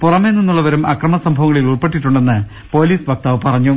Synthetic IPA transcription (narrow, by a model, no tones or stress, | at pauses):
purɐmeninːuɭːɐʋɐɾumɐkrɐmɐsɐmbʱɐʋɐŋːɐɭiluɭpe̞ʈːiʈːuɳɖe̞nːɨ | po̞ːliːsbɐk̚t̪aːʋɨpɐrɐɲːu